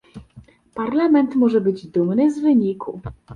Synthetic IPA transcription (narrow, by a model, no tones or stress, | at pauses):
paɾlamɛnt̪mɔʐɛbɘd͡ʑd̪umnɘzvɘɲikʰu